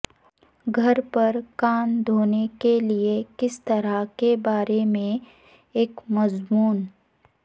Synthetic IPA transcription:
ɡʱɐɾpɐɾkaːnd̪ʱoːnekeliekɪst̪ɐɾakebaːɾemẽ | eːkmɐzmuːn

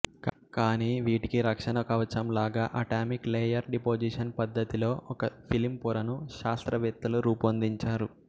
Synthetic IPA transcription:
kaːniːʋiːʈikiɾɐkʂɐnɐkɐʋɐt͡ʃɐmlaːɡaːʔɐʈaːmikleːjɐɾɖipoːd͡ʒiʂɐnpɐd̪ʱːɐt̪ilo̞ːʔɔkɐpʰilimpuɾɐnuʃaːst̪ɾɐʋɐt̪ːɐluɾuːpɐnd̪iɲt͡ʃaːɾu

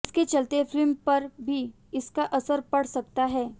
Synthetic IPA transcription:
ɪsket͡ʃɐlt̪efɪlmpɐɾbʱi | ɪskaʔɐsəɾpɐɽ̤sɐk̚t̪aɦɛː

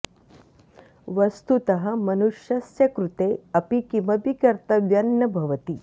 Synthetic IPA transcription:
ʋɐst̪ut̪ɐɦɐ̆mɐnuʃjɐsjɐkɾut̪eːɐpikimɐbikɐɾt̪ɐʋjɐnːɐbʱɐʋɐt̪i

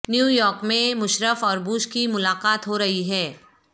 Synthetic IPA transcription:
njuːjɔːɾkmẽmʊʃɾəfɔːɾbuːʃkimʊlaːqaːt̪ɦoɾɐɦiɦɛː

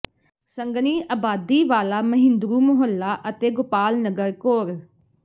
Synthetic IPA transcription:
səŋɡniːaːbaːd̪iːʋaːlaːməɦɪ̃nd̪ɾuːmʊɦəlːaːʔət̪eːɡʊpaːlnəɡəɾkoːɾ

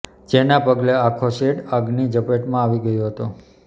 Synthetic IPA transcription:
d͡ʒenapəɡleakʰoseɽəɡnid͡ʒəpeʈmãaʋiɡəjoɦət̪o

